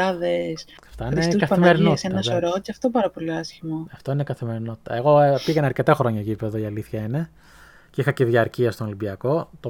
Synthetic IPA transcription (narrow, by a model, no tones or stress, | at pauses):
ɐðes | ɐft̪ɐinesuskɐθɐimeɾinosenɐsoɾoceɐft̪opɐɾɐpo̞liɐsçimoɐft̪o̞ineikɐθime̞ɾino̞t̪i̥t̪ɐ̰eɣo̞piɣɐnɐɾce̞t̪exɾo̞ɲɐcipeðoiɐliθçɐine̞ | ceixɐceðiɐɾciɐst̪onolibiɐko̞t̪o